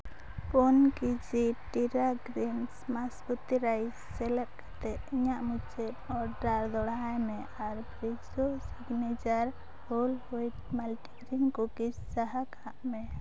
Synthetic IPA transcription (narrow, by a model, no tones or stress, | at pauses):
pɔnkid͡ʒiʈiɾaɡɾinsmasput̪iɾajsːɛlɛt̪̚kʰat̪ɛʔiɲaʔmut͡ʃɛt̪ɔɾɖaɾd̪ɔɽajmɛʔaɾbʱɾid͡ʒɔsiɡnɛd͡ʒaɾ | hɔlhɔjʈ̚malʈiɡɾinkɔkid͡ʒsaɦakʰaʔmɛ